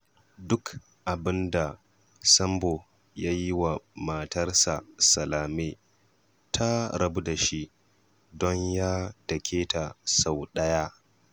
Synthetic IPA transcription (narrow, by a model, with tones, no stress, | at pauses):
dʊ˦k | ʔa˨bɪ˦nda˨ | sɐ˦mbo˨ | ja˦ji˦wa˨ma˨tɐ˦rsa̰˨sɐ˨laː˨me˦ | tʰa˦ɾɐ˦bu˦da˨ʃi˦ | dɔ˦ɲjaː˦d̥ɐ˨kʲʰeː˦ta˨sa˨wɗɐ˦ja˦